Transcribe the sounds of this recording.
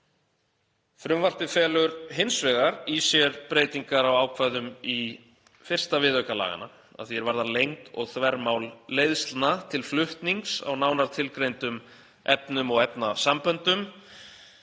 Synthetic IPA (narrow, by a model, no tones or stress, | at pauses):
fɾʏmvar̥t̪ɪfɛːlʏɾɦɪnsvɛːɣaɾisjɛɾpɾeːjt̪iŋkaɾawaːwkʰv̥ajðʏmi | fɪr̥st̪avɪðœhkala̰ːɣa̰na̰ | a̰ðθiɛɾvaɾðanlejŋkɔ̰ɣθvɛɾmawlːeːjðst̪nat̪ʰɪlflʏht̪niŋksa̰wnaːwnaɾ̥t̪ʰɪlkɾejnt̪ʏm | ɛpnʏmɔɣɛpnasampœnt̪ʏm